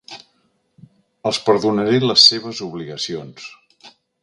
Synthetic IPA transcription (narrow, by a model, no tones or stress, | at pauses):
əlˠspəɾðunəɾeləsːeβ̞əzuβ̞liɣəsions